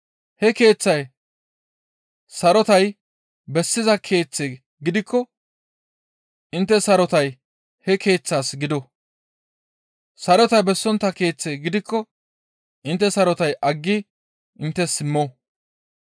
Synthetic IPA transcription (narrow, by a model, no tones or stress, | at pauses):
hɛke̞ːt͡sːɐj | sɐɾɔt̪ɐj | bɛsːɪzɐkʰe̞ːt͡sːe | ɡɪd̪ɪkʰːɔ | ʔɪnt̪ːɛsɐɾɔt̪ɐj | hɛkʰe̞ːt͡sːaːsɡɪd̪ɔ | sɐɾɔt̪ɐjbɛsːɔnt̪ːɐke̞ːt͡sːeːɡɪd̪ɪkʰːɔ | ʔɪnt̪ːɛsɐɾɔt̪ɐjʔɐɡːɪ | ʔɪnt̪ːɛsɪmːoː